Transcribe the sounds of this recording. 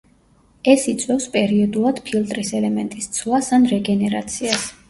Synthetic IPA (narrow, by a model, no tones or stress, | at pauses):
ɛsit̪sʼwɛfspʼɛɾiɔd̪ulˠad̪̥pʰilˠt̪ʼɾisɛlɛmɛnt̪ʼist̪sʰvˠasanɾɛɡɛnɛɾat̪sʰias